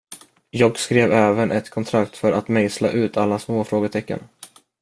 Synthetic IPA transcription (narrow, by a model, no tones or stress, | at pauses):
jɑːɡskɾeːvɛːvənʔɛt̪kʰɔnt̪ʰɾakt̪fœɾʔat̪mɛŋsla̰ʔʉ̟ːt̪ʰalːasmoːfɾoːɡət̪ʰɛkːə̰n